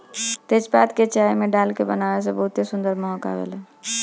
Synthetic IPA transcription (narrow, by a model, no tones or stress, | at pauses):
t̪et͡ʃbat̪ket͡ʃajmeɖalkebənaʋes̬ə̃bəɦut̪ːesund̪əɾmɔɦɔka̰ʋḛl